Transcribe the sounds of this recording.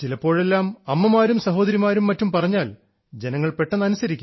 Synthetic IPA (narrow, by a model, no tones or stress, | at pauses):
t͡ɕilɐpːo̞ːɻe̞lːaːmɐmːɐmaːɾumsɐɦo̞ːd̪ɐɾimaːɾumːɐtːumpɐrɐɲːaːl | d͡ʑe̞nɐŋːɐɭpe̞ʈːɐnɐnusɐɾikʲː